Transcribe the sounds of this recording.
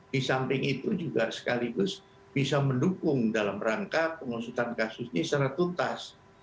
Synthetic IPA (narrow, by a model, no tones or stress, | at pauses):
disampɪŋit̪ud͡ʒuɡasə̥kaliɡʊs | b̥isaməndukʊŋdalamraŋkapəŋusut̪ankasʊsɲisəɾat̪unt̪as